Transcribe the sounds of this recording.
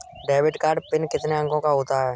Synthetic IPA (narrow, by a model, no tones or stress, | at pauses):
ɖeːʋɪʈkaːɾɖpɪnkɪt̪neɐ̃ŋkõkaɦoːt̪aɦɛː